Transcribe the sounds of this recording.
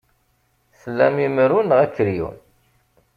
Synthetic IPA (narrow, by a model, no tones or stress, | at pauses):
slːæmiməɾunʁækːəɾjṵn